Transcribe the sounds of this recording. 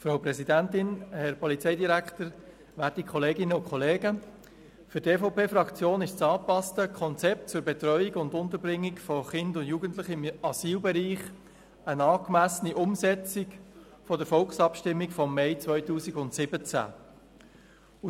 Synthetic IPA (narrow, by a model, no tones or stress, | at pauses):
fɾaʊpɾɛsidæntɪnhɛɾpɔlit͡sɛɪdiɾæktəɾ | ʋætikʰχɔleːɡɪnəʊkʰχɔleːɡə | fʏɾteːfɔʊpeːfɾɑkt͡sjoːnɪʃt͡sɑːpɑstəkʰɔnt͡sɛp̚tt͡sʊɾbɛtɾɔʏiɡʊndʊnt̪əbɾɪŋːikfɔχɪndʊndjuːɡəntlɪχɪmɑsiːlbɛɾiːχ | ənɑːkmæsəniʔʊmsɛt͡sɪk | fɔdəɾfɔlksɑpʃtɪmːikfɔmːɛɪt͡svœʏtuːsiɡʊntsɪbət͡sæ̰ | u